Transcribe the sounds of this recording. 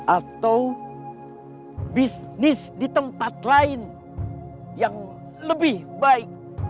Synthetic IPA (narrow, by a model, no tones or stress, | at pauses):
ʔat̪aw | bis | nɪsdit̪əmpat̪laɪn | jaŋ | ləbɪhbaɪk̚